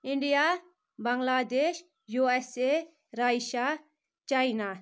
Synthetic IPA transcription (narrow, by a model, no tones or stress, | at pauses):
iɳɖija | baŋɡlad̪eʃ | juese | ɾajʃa | t͡ʃajna